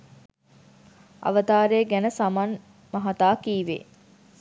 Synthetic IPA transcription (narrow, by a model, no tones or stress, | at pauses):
ɐ̰ʋət̪aːɾejəɡænəsaman | maɦat̪aːkiːʋḛː